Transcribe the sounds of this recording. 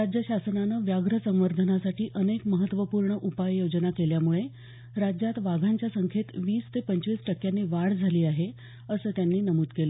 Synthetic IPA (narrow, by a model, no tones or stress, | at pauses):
ɾad͡ʑjəɕasənanəʋjaɡɾəsə̃mʋəɾd̪ʱənasaʈiːʔənekməɦət̪ːʋəpuːɾɳəʔupajjod͡ʑnakeljamuɭe | ɾad͡ʑjat̪ʋaɡʱaɲt͡ɕjasəŋkʰet̪ʋiːst̪epəɲt͡ɕʋiːsʈəkjanːiːʋaɽd͡zʱaliːaɦe | əsəːt̪janːiːnəmut̪kelə